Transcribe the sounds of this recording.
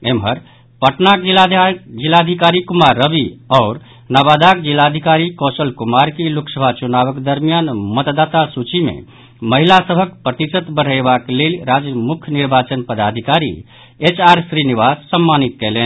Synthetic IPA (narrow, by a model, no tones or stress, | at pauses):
emɦəɾ | pəʈnak | d͡ʒilːad̪ʱikaɾikumaɾːəbiɔʊɾ | nabad̪akd͡ʒilːad̪ʱikaɾikɔsəlkumaɾkeluksəbʱat͡ʃunaβəkd̪əɾmjanmət̪d̪at̪asut͡ʃimḛ | məɦilasəbʱəkpɾət̪isət̪bəɽ̤əjbaklelɾad͡ʒmukʰniɾbat͡ʃənpəd̪ad̪ʱikaɾḭ | et͡ʃaɾsɾiniʋassəmːanit̪̚kɛlen